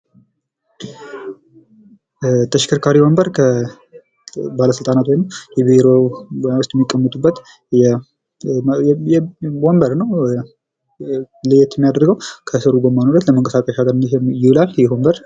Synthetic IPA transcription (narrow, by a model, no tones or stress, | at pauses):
t̪ʰəʃɪ̥kʰəɾkʰaɾiwombəɾkʰə | baləsɨlt̪ʼanat̪wojnəwjɛbiɾo̞wjawʊst̪ʼjɛmːikʼːəmːət̪ʼubːət̪ | jɛ | jɛwombəɾnəw | lɨjɛt̪jɛmijad̪əɾɡəwkʰəsɨɾuɡomːanuɾət̪ləməŋkʼəsakʼəʃaɡəɾnjɪhulaljɛbombəɾ